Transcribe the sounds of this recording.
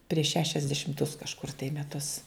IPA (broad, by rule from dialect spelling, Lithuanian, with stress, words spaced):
pʲrʲiɛʃ ˈʃʲæːʃʲɛzʲdʲɛʃʲɪmtʊs kɐʃˈkʊr tɐɪ mʲɛˈtʊs